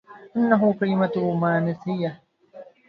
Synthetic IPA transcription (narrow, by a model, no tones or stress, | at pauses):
ʔɪnːaɦʊkalɪmat̪ːmaːnɪθɪjːa